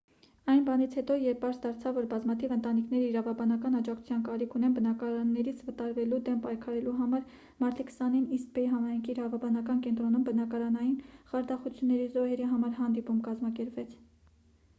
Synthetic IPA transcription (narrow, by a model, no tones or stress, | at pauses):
ɑjnbɑnit͡sʰhɛt̪ɔjɛɾpʰɑɾsd̪ɑɾt͡sʰɑvːɔɾbɑzmɑt̪ʰivənt̪ɑnikʰnɛɾəiɾɑvɑbɑnɑkɑnɑd͡ʒɑktʰt͡sʰu̥t͡sʰjɑnkɑɾikʰunɛnbənɑkɑɾɑnːɛɾit͡sʰvət̪ɑɾvɛlud̪ɛmpɑjkʰɑɾɛluɦɑmɑɾ | mɑɾt̪ikʰə̥sɑninist̪pɛiɦɑmɑjŋkʰiːɾɑvɑbɑnɑkɑnkɛnt̪ɾɔnumbənɑkɑɾɑnɑjinχɑɾd̪ɑχut͡sʰjunːɛɾizɔhɛɾiɦɑmɑɾɦɑnd̪ipumkɑzmɑkɛɾpvɛt͡sʰ